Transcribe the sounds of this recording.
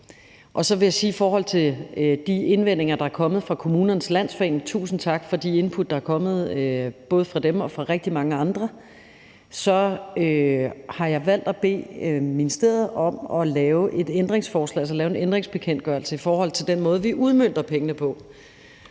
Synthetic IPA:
ʔɒ̽sɒ̽ʋe̝jäɪsiːifɒːɦɒ̽l̰t͡sʰe̝ld̥ie̝nʋen̰e̝ŋɐd̥ɑ̈æɐkʰɒ̽mð̩ˠfʁɑ̈kʰo̝muːnɐnəslæn̰sfḛːnt͡sʰṵːsn̩t͡sʰɑ̈ɡ̥fɒ̽d̥ie̝npʰud̥̚ːɑæɐkʰɒ̽mð̞̩ˠb̥ɔ̽ːð̞̩ˠəfʁɑ̈d̥emɒ̽fʁɑ̈ʁeɡ̥̚d̥imɑ̈ŋəɑ̈nd̥ʁɐ | sɒ̽øhɑ̈jɑ̈ɪʋæl̰d̥æb̥e̝̰ːminisd̥eðɐð̩ˠɒ̽mɒ̽lɛːʊʔe̝d̥end̥ʁeŋsfɒːslɛ̰ːæls̬ɒlɛːʊe̝nend̥ʁeŋsb̥e̝kʰen̰d̥ɡ̥ɶɐl̩səifɒːhɒ̽l̰t͡sʰe̝ld̥enmɔ̽ːð̞̩ˠʋiʔuð̞ˠmøn̰d̥ɐpʰeŋənəpʰɒ̽

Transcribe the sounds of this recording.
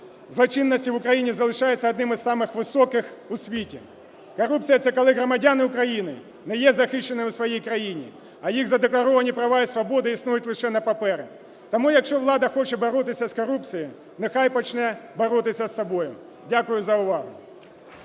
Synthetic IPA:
zlˠɔt͡ʃinːɐsʲtʲiʋʊkɾɐjinʲizɐlˠɪʃɑjɛt͡sʲːɐɐd̪nɪmɪzsɑmɪxʋɪsɔkɪxʊsʲʋʲitʲi | kɔɾup̚t͡sʲijɐt̪sɛkɔlˠɪɦɾɔmɐdʲanɪʊkɾɐjinɪ | nɛjɛzɐxɪʃt͡ʃːenɪʊsʋɐjijkɾɐjinʲḭ | ɐjiɣzɐd̪eklˠɐɾɔʋɐnʲipɾɐʋajɪsʋɐbɔd̪ɪisnujʊtʲlˠɪʃɛnɐpɐpɛɾɪ̰ | t̪ɐmujɐkʃt͡ʃɔʋlˠɑd̪ɐxɔt͡ʃɛbɔɾɔt̪ɪsʲɐskɔɾup̚t͡sʲiji | nɪxajpɔt͡ʃnɛbɔɾɔt̪ɪsʲɐsːɐbɔjʊ | dʲakʊjʊzɐʊʋɑɦʊ

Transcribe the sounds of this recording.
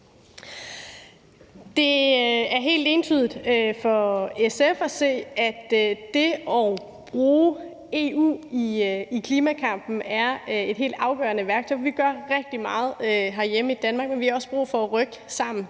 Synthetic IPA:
d̥e̝æɐɦe̝̰ːld̥e̝nt͡sʰyðˠid̥øfɒ̽esefɒ̽se̝̰ːæd̥e̝ɒʊ | b̥ʁuː | e̝ṵːiikʰliːmækʰɑ̈m̰b̥n̩æɐe̝d̥ɦe̝̰ːld̥ɑ̈ʊɡ̥ɶɐnəʋæɐɡ̥̚t͡sʰɒ̽ɪʋiɡ̥ɶɐʁɛɡ̥̚d̥imɑ̈ːð̞̩ˠøɦæɐjeməid̥ænmɑ̈ɡ̥̚menʋihɑ̈ɒ̽səb̥ʁṵːfɒ̽ʁœɡ̥sɑ̈m̰n̩

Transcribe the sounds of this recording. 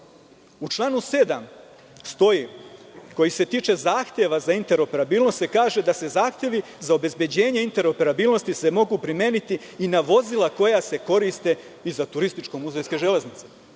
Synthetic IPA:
ut͡ʃlˠaːnuse̞d̪am | st̪o̞jiko̞jise̞t̪iːt͡ʃe̞zaːxt̪ʲje̞ʋazaint̪e̞ɾo̞pe̞ɾabiːlno̞st̪se̞kaːʒed̪ase̞zaːxt̪je̞ʋizao̞be̞zbje̞d͡ʑe̞ːɲe̞int̪e̞ɾo̞pe̞ɾabiːlˠno̞st̪ise̞mo̞ɡupɾimje̞ːnit̪i | inaʋo̞zilˠako̞jase̞ko̞ɾist̪e̞ | izat̪uɾist̪it͡ʃko̞muzʋejske̞ʒe̞le̞znit̪se

